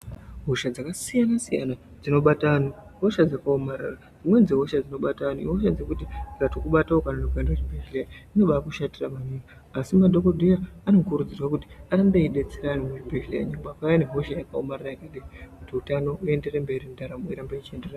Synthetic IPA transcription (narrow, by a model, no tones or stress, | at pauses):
ɦoʃad͡zakasijanasija̰na | d͡zino̞ɓatanuɦo̞ʃad͡zakaomaɾa̰ra | d͡zimwe̞d͡zeɦoʃad͡zino̞ɓataniḭɦo̞ʃad͡ze̞kutiikatokuɓataokananokuendaet͡ʃibʱeʒileaino̞ɓakuʃatiramaɲimaːsimado̞kodʱejaano̞kurud͡zirwakuti̥aɾambe̞iɗe̞t͡seɾanimut͡ʃibʱeʒleaɲiŋbakajaneɦo̞ʃajakao̰mararajekaɗiikutiutano̞ʔue̞nde̞rembe̞ɾindaɾamoiɾambeit͡ʃie̞ndera